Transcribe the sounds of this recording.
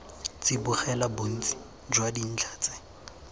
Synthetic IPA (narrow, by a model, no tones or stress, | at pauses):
t͡sɪbʊχɛlabʊn̩t͡si̥ | d͡ʒwadin̩t͡ɬʰaːt͡sɛ̥